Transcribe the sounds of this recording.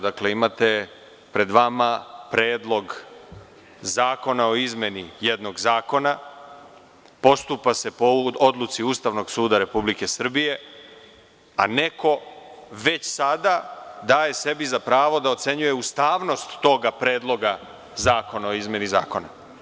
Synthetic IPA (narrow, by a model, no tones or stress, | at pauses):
d̪akle̞imat̪e̞ | pɾe̞d̪ʋamapɾeːd̪lˠo̞ɡ | zaːko̞nao̞izmje̞nije̞d̪no̞ɡzaːko̞na | po̞st̪upase̞poo̞d̪lut̪siuːst̪aʋno̞ɡsuːd̪aɾe̞publike̞sr̩bije̞ | a̰ne̞ko̞ʋe̞t͡ɕsad̪ad̪aːje̞se̞bizapɾaːʋo̞d̪aot̪se̞ɲuje̞ust̪aːʋno̞st̪ːo̞ɡapɾe̞ːd̪lˠo̞ɡa | zaːko̞nao̞izmʲje̞niza̰ːko̞na̰